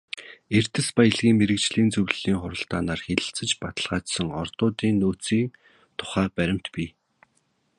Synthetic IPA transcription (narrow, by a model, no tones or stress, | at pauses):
er̥t̪ɘ̆spajə̆ɮɣiːŋmeɾɘ̆k̚t͡ɕɮiːnt͡sɵwɮɮiːŋχʊɾə̆ɬt̪aːnaːrxeɮʲɘ̆ɬt͡sɘ̆t͡ɕpat̪ə̆ɮʁaːt͡ɕsə̆ŋɔrt̪ʊːt̪iːnːoːt͡siːŋ | t̪ʰʊ̥χæːpæɾʲɪ̆m̥t̪pʲiː